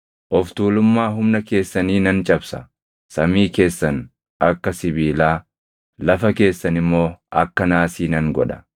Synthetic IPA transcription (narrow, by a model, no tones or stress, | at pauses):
ʔɔft̪uːlʊmːaːɦʊmnɐke̞ːsːɐniːnɐnt͡ʃʼɐbsɐ̰ | sɐmiːke̞ːsːɐn | ʔɐkːɐsɪbiːlaː | lɐfɐke̞ːsːɐnɪmːo̞ːʔɐ̰kːɐnaːsiːnɐŋɡɔ̰ᶑɐ̥